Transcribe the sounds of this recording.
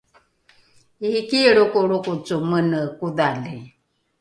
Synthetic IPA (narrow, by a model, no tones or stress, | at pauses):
ikiɺukuɾukut͡sumənəkuðali